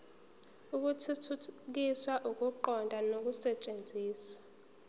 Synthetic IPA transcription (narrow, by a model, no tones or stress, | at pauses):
uk̬utʰutʰuk̬iswaʔuk̬ʼuǃɔndʱʼanok̬ʼusɛt͡ʃʼend͡zʱiːswa